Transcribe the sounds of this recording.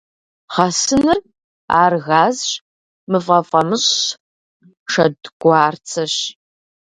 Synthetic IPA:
χɐsɨnɨr | a̰ːrɣaːzɕ | mɨfɐfʼɐmɨɕ | ʂɐdɡʷaːrt͡sʰɐɕ

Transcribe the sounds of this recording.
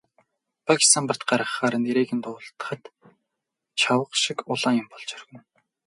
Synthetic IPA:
pʰaki̥st̪ʰampə̆r̥t̪ɢaɾə̆χːaːɾə̆nt̪iɾeːɣĭnt̪ʊːɬt̪ə̥̆χə̆t̪ | t͡ɕʰawə̆qʃikʊɮaːŋjʊmpɔɮt͡ɕœrɣɘ̆n

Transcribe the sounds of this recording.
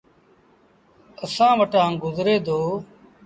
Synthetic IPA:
əsãːʋəʈãːɡʊzɾeːd̪oː

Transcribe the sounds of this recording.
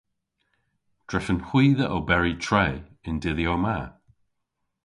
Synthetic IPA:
d̥ɹɛʃənhwiːðəʔobɛɹitʰɹeːɪndɪðjoːma

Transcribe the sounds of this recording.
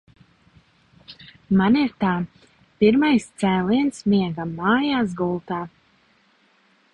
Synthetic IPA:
maniɾt̪aː | piɾmajst̪sɛːliɛnsmiɛɡaːaːjaːsɡulˠt̪aː

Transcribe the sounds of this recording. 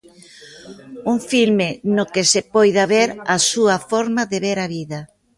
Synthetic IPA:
uŋfilmɪnʊkɪsepɔjðaβeɾasuɐfɔɾmaðeβeɾaβiðɐ

